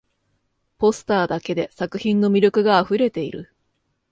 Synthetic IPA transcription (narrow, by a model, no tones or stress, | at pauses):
po̞sɨ̥t̪aːd̪ake̞d̪e̞sakɯ̟çĩnːo̞mʲiɾʲo̞kɯ̟ɡaːɸɯ̟ɾe̞t̪e̞iɾɯ̟̰